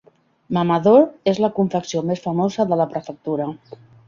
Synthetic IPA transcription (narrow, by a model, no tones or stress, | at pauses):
mamaðoɾezləkuɱfəksiomesfəmozəðələpɾəfək̚t̪uɾə